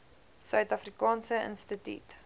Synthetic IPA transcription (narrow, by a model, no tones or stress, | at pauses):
sœɥtɐfrikɑːnsəə̰nstətḭt